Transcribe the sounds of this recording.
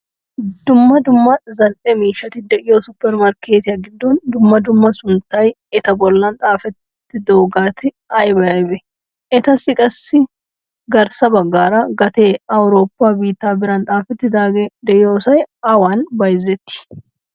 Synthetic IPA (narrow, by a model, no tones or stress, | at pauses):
d̪ʊmːɐd̪ʊmːɐzɐlʔɛmiːʃɐt̪ɪd̪ɛʔɪjoːsʊpːɛɾmɐɾkeːt̪ɪjɐɡɪd̪ːund̪ʊmːɐd̪ʊmːɐsʊnt̪ɐj | ɛt̪ɐbɔlːɐnt̪ʼaːfɛt̪ːɪd̪o̞ːɡaːt̪ɪ | ɐjbɐɐbɛ | ʔɛt̪ɐsɪkʼɐsːɪ | ɡɐɾsɐbɐɡːaːɾaːɡɐt̪eːɐwɾo̞ːpːaːbiːt̪ːaːbɪɾɐnt̪ʼaːfɛt̪ːɪd̪aːɡɛd̪ɛʔjoːsɐjɐwaːnbɐjzɛt̪ːɪ̥